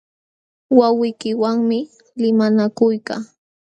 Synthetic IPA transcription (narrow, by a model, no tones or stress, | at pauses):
wawɪjkɪwaŋmɪ | lɪmanakʊjka̰ː